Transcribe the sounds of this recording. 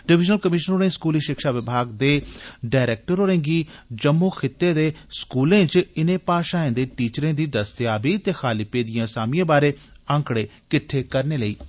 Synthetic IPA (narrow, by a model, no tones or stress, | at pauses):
ɖɪʋɪd͡ʒnəlkəmɪʃənoːɾẽːskuːliːʃɪkʃaːʋɪbʱaːɡd̪eːɖaːɪɾeːk̚ʈəɾɦoːɾẽːŋɡiːd͡ʒəmːoːkʰɪt̪ːẽːd̪eːskuːlẽːt͡ʃɪnẽːpaːʃãːẽːd̪eːʈiːt͡ʃɾẽːd̪iːd̪əst̪jaːbiːt̪eːxʰaːliːpeːd̪ɪjãːsaːmɪjãːbaːɾeː | ə̃ŋkɽeːkɪʈʰːeːkəɾneːləḭː